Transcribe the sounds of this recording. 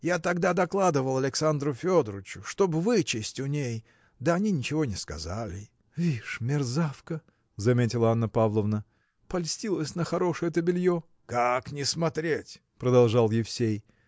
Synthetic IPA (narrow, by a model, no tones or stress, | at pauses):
jat̪ɐɡd̪ad̪ɐklˠad̪ɨvəlˠɐlʲɪksand̪ɾʊfʲo̞d̪ɾɨt͡ɕʊ̥ʂt̪o̞bvɨt͡ɕɪsʲtʲʊnʲej | d̪əɐnʲinʲɪt͡ɕɪvo̞nʲɪskɐ̰zalʲɪ | vʲiʂmʲɪrzafkə | zɐmʲetʲɪlˠəanːəpavlˠəvnə | pɐlʲsʲtʲilˠəsʲnəxɐɾo̞ʂɨjət̪əbʲɪlʲjo | kaknʲɪsmɐt̪ɾʲetʲ | pɾəd̪ɐlˠʐɑlˠjɪfsʲej